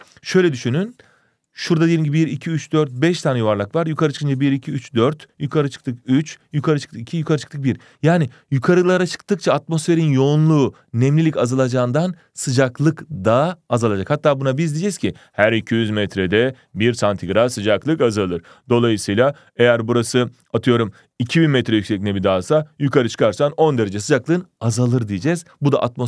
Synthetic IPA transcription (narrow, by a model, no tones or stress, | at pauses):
ʃø̞jlʲɛd̪yʃynyn | ʃuɾd̪ad̪eelʲimɲɟibibiɾicʰiyt͡ʃd̪øɾt̪̚bɛʃt̪ʰaːnɛjuvaɾlˠakvaɾjukʰaɾɯt͡ʃʰɯ̥kɯnd͡ʒʰabiɾicʰiyt͡ʃd̪øɾt̪jukʰaɾɯt͡ʃʰɯ̥k̚t̪ʰɯkyt͡ʃjukʰaɾɯt͡ʃʰɯ̥kt̪ʰɯkicʰijukʰaɾɯt͡ʃʰɯ̥k̚t̪ɯk̚biɾ | jaːnɪ | jukʰaɾɯlˠaɾat͡ʃʰɯ̥k̚t̪ʰɯk̚t͡ʃʰaːt̪mo̞sfe̞ɾinjo̞nlˠuː | nɛmlʲilʲicazalˠad͡ʒaːɯnd̪an | sɯd͡ʒaklˠɯkd̪aazalˠad͡ʒakhat̪ʰːaːbunabizd̪id͡ʒɛz̥cʰihæɾicʰijyzmɛt̪ɾɛd̪ɛ | biɾsant̪ʰiɡɾasɯd͡ʒaklˠɯkazalˠɯɾ̥ | d̪o̞lˠajɯsɯjlˠa | e̞jæɾbuɾasɯ | at̪ʰɯjo̞ɾum | icʰibinmɛt̪ɾɛjykcsɛc̚ʲnɛbid̪aːsajukʰaɾɯt͡ʃʰɯ̥kʰaɾsano̞nd̪e̞ɾed͡ʒɛs̬ɯd͡ʒaklˠɯnazalˠɯɾd̪ijed͡ʒɛz̥bud̪a̰ʔat̪̚mo